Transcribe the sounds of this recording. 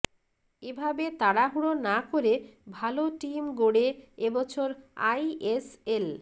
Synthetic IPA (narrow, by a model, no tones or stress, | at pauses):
ebʱabet̪aɽaɦuɽonakoɾebʱaloʈimɡoɽeebɔt͡ɕʰoɾa̰jesel